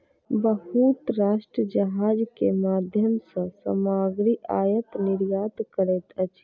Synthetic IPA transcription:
bəɦut̪ɾaʃʈɾəd͡ʒəɦad͡ʒkemad̪ʱjəmsə̃sə̰maɡɾiʔajət̪niɾjat̪kəɾɛt̪ət͡ʃʰ

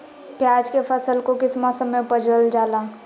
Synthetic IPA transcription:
pjaːd͡ʒkefʰəsəlkokɪsmɔːsə̃mːẽpəd͡ʒəld͡ʒaːlaː

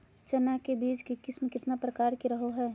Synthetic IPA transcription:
t͡ʃɐnakebiːt͡ʃkikɪsmekɪt̪napɾəkaːɾkiɾəɦoɦɛː

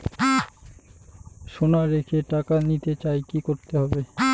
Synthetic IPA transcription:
ʃonaɾekʰeʈakanit̪et͡ɕaekikoɾt̪eɦɔbe

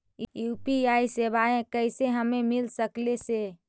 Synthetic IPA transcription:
jupiaːisebaẽkəɪseɦəmẽmɪlsəklese

